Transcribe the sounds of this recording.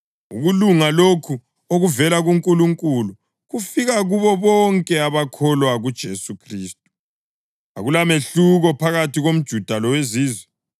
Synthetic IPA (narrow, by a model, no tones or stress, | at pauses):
ṵɣuluŋalokʰu | oɣuvɛlaɣuŋkʼuluŋkʼulu | ɣufiɣaɣuβɔβɔŋkʼɛaβakʰɔlwaɣud̥ʒ̥ʱesukʰriːstʼu̥ | a̰ɣulameɬuɣɔpʰaɣatʰiɣom̩d̥ʒ̥ʱud̥ʱalɔweziːzwɛ